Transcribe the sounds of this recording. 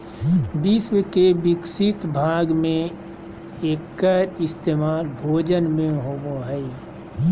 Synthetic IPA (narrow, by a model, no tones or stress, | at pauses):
bɪswəkebɪksɪt̪bʱaːɡmẽ | eːkːəɾɪst̪eːmaːlbʱoːd͡ʒənmẽɦoːɡoɦɛi